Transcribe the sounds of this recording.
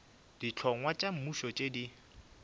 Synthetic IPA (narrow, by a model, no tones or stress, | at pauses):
d̥it͡ɬʰɔŋwat͡ʃʼam̩muʃɔt͡ʃʼedi